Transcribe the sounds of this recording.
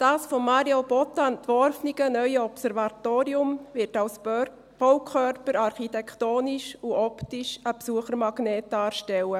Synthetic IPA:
d̥ɑːsfɔmːɑɾiob̥ɔtːaɛntʋɔɾfniɡənœʏəɔpsɛɾvɑt̪oːɾiʊmvɪɾtɑws | b̥ɔʊkʰœɾpəɾɑɾχitɛktoːniʃuʔɔptiʃəpsuəχəɾmɑɡ̥nɛːt̚d̥ɑːɾʃtɛlə

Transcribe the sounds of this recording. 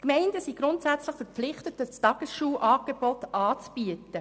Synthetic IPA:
kmɛɪndəsiɡ̥ɾʊntsæt͡sləχfɛɾpflɪχtətət͡stɑɡ̥əsʃuːʔɑːɡ̥eb̥ɔtɑːt͡sb̥yətə

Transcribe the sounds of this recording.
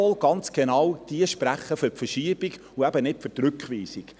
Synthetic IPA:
ɔlɡɑnt͡sɡ̥enɑwd̪̥iəʃpɾæχːəfʏɾpfəɾʃiəbiɡ | uɛbənɪtfʏtɾʉkχʋiːsik

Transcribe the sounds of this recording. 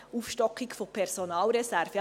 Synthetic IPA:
ufʃtɔkɪkfopʰɛɾsonɑːlɾɛsæɾfɛ

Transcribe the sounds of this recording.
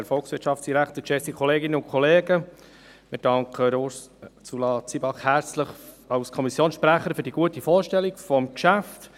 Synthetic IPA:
hɛɾfɔlksʋɪɾtʃɑftsd̥iɾækʰtəɾt͡ʃɛsikʰɔleːɡɪnəʊnkʰɔleːɡə | mɪɾd̥ɑŋkʰəɾos | sulɑːt͡sibɑχhæɾt͡sləχ | ɑwskʰɔmisjoːnsʃpɾæχəɾfɵɾdiɡ̥uətifɔːɾʃtɛlːiɡ̥fɔmkʃæft̪

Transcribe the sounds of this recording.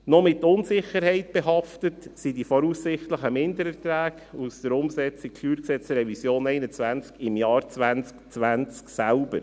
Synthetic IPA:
nɔmɪtʊnsɪχəɾhɛɪtb̥ɛɦɑftətsidifɔɾusːɪχtləχəmɪndəɾɛɾtɾæːɡ | usd̥əɾʊmsɛt͡sɪk̚kʰlyːɾksɛt͡sɾɛvisjoːnɛɪnət͡sʋænt͡skɪmjɑːɾt͡sʋænt͡skt͡sʋænt͡sksælbəɾ

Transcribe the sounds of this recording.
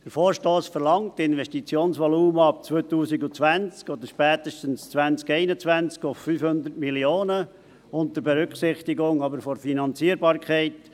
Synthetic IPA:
dəɾfoːɾʃtoːsfəɾlɑŋtɪnʋɛstit͡sjoːnsʋɔluːməɑp̚t͡sʋœːt̪uːsiɡʊt͡sʋænt͡skɔd̪əɾʃpɛːtəʃtənst͡sʋænt͡skɛɪnət͡svænt͡skʊfːyːfhʊnd̪əɾtmilioːnə | ʊnt̪əɾbɛɾʏkχsɪχtɪɡʊŋɑbəɾfɔɾfinɑnt͡siəɾbɑːɾkχɛɪt

